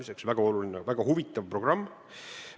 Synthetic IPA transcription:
ise̞ksvæɡ̥ɑo̞lulinevæɡ̥ɑhuvit̪ːˑɑvpro̞ɡ̥rɑmː

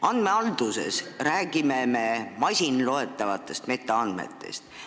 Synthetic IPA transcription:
ɑnd̪̥me̞ɑld̪̥use̞̰sræːɡ̥ime̞me̞mɑsʲinlo̞e̞t̪ːˑɑvɑt̪ːˑe̞st̪me̞t̪ːˑɑɑnd̪me̞̰t̪ːˑe̞̰st̪

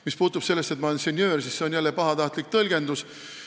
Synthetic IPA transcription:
mispuːt̪ːˑub̥se̞lːest̪et̪mɑnsenʲjø̞ːrsisse̞o̞njælːepɑɦɑt̪ɑht̪lik̚t̪ɤlɡ̥e̞nd̪us

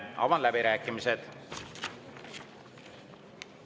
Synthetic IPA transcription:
ɑ̰vɑnlæbiɾæːkːˑimised̪̥

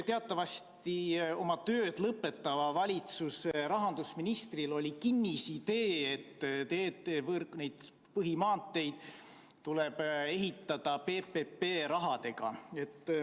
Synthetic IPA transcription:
t̪eɑt̪ːˑɑvɑst̪io̞mɑt̪ø̞ːd̪̥lɤpːˑe̞t̪ːˑɑvɑvɑlʲit̪suseɾɑɦɑnd̪̥usminist̪rilo̞lʲikinʲːisid̪e̞ːet̪ːt̪eːt̪ːevrne̞jd̪̥ | pɤɦimɑːnt̪ːˑe̞jd̪̥ | t̪ule̞b̥e̞ɦit̪ːˑɑd̪̥ɑpe̞pepːeːɾɑɦɑt̪e̞ɡ̥ɑ̰e̞t̪ː

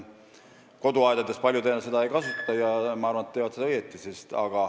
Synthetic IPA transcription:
ko̞d̪uɑjd̪ɑd̪e̞spɑlʲjud̪enese̥ɑe̞jkɑsut̪ːˑɑjɑmɑɑɾrvɑnet̪ːeːvɑt̪sed̪ɑɤjet̪ːˑisest̪ɑ̰ɡ̥ɑ

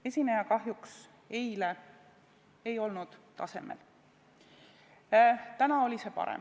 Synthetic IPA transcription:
e̞sʲinejɑkɑɦjuks | ejle | ejo̞lnud̪̥t̪ɑ̰se̞̰mḛl | t̪ænɑo̞lʲise̞pɑ̰ɾḛm

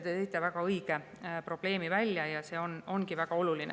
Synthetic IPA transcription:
t̪et̪ejt̪ːˑevækɑɤjɡ̥e | pro̞b̥le̞ːmivælʲːjɑjɑse̞ːo̞no̞nɡivæɡ̥ɑo̞lulinḛ

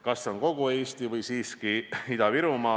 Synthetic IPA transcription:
kɑsːeo̞ŋko̞ɡ̥ue̞ːst̪ivɯjsiːskiid̪̥ɑviɾumɑː

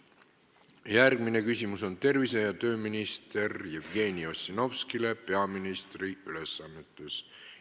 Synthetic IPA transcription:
jærɡ̥mine̞kysʲimuso̞nt̪e̞rvisejɑt̪ø̞ːminist̪e̞rjevɡe̞ːnio̞sʲːino̞vskile̞pe̞ɑminist̪riyle̞sːɑnːet̪ːˑes

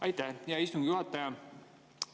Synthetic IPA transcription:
ɑjt̪ːæhjɑist̪uŋɡ̥juhɑt̪ːˑɑjɑ

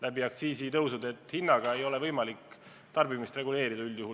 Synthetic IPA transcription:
lʔæbiɑkt̪siːsit̪ɤwsud̪e̞t̪ːˑhinːɑɡ̥ɑe̞jo̞le̞vɤjmɑlikː | t̪ɑrbimist̪re̞ɡule̞ːɾid̪̥ɑyljuhu

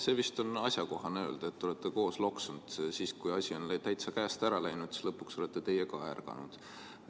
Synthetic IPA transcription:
se̞ːvist̪o̞nɑsʲjɑko̞ɦɑneø̞ːld̪̥ɑet̪ːeo̞let̪ːˑeko̞ːslo̞ksund̪̥siːskujɑsʲio̞nlæt̪æjt̪sɑkæːst̪æɾɑlæjnud̪̥si̥slɤ̞pːˑukso̞let̪ːˑet̪e̞jekɑærɡɑ̰nṵd̪̥

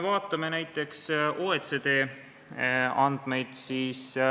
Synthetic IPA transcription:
vɑːt̪ːˑɑme̞næjt̪ːˑe̞ksoːet̪sed̪̥e̞ː | ɑnd̪̥me̞jd̪̥siːs

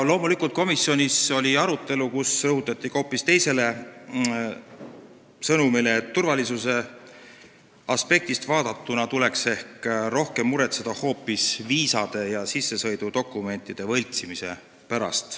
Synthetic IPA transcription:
lo̞ːmulikˑult̪̚ko̞misːjo̞nʲiso̞lʲiɑɾut̪ːˑe̞lukusrɤɦut̪ːˑɑt̪ʲːˑiko̞ːpːist̪ejse̞le̞ | sɤnumileːt̪ːurvɑlisuse̞ | ɑspe̞k̚t̪ist̪vɑːd̪̥ɑt̪ːunɑt̪ule̞kse̞hkɾo̞hke̞mːuɾe̞t̪sed̪̥ɑho̞ːpːˑisviːsɑd̪̥e̞jɑsisːe̞sɤ̞jd̪̥ud̪̥o̞kːˑume̞nt̪ːˑid̪̥e̞vɤ̞lʲt̪simise̞̰ | pæɾɑ̰st̪

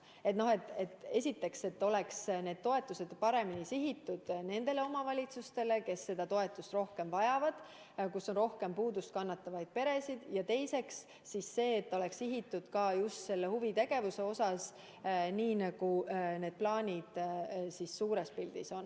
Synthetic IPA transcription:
e̞t̪no̞he̞t̪ːˑe̞t̪ːe̞sʲit̪ːe̞kse̞t̪ːo̞leksne̞ːd̪̥̚t̪o̞e̞t̪ːˑuse̞d̪̥pɑɾe̞minisiɦit̪ːˑud̪̥ne̞nd̪e̞le̞o̞mɑvɑlʲit̪sust̪e̞le̞ke̞sːe̞d̪ɑt̪o̞e̞t̪ːˑust̪ro̞hke̞mvɑjɑvɑd̪̥ | kusːo̞nro̞hke̞mpuːd̪ust̪̚kɑnːɑt̪ːˑɑvɑjd̪̥̚pe̞ɾe̞sid̪̥jɑt̪e̞jse̞ks | sisːe̞ːt̪ːo̞le̞ksiɦit̪ːud̪̥kɑjust̪se̞lːe̞huvit̪e̞ɡ̥e̞vuse̞o̞sɑs | niːnɑɡ̥une̞ːd̪̥̚plɑːnʲid̪̥sisːuːɾe̞spild̪̥iso̞n

